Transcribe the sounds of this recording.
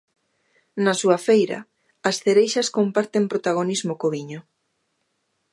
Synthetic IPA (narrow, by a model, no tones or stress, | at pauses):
nɐsuɐfejɾɐ̰ | ɐsθeɾejʃɐskompaɾt̪empɾot̪aɣonizmokoβiɲo